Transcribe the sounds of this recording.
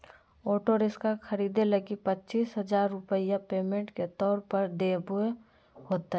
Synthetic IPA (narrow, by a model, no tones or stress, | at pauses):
oːʈoɾɪskakʰɐɾiːd̪eləɡipətːt͡ʃiːsɦəd͡ʒaːɾːʊpəijapeːmẽɳʈket̪ɔːɾpəɾd̪eːbʊe | ɦoːt̪aɦɛ